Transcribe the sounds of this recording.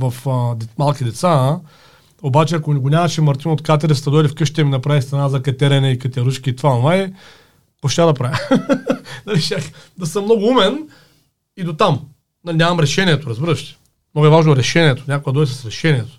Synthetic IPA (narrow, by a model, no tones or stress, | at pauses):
vɐfd̪ɛmalˠkʲid̪ɛt̪sa | obat͡ʃɛɐkonɛɡonʲamɐʃɛmɐɾt̪inot̪kat̪̬ɛɾɛfst̪ɐd̪ɔjlifkɤʃt̪ʲɛminɐpɾavist̪ɐnazɐkɐt̪ʲɛɾɛnɛikɐt̪ʲɛɾuʃkʲiːt̪vanvaɛ | koʃt̪ʲad̪ɐpɾavʲɐ | nɐliʃakd̪ɐsəmːnɔɡʊumɛn | id̪ot̪am | nɐlʲinʲamɐmɾɛʃɛniɛt̪oɾɐzbiɾɐʃt̪ɛ̥ | mnoɡʊɛvaʒnoɾɛʃɛnʲiɛt̪o̥nʲakoɛd̪ɔjʲs̬ɐ̥sɾɛʃɛnʲiɛt̪o̥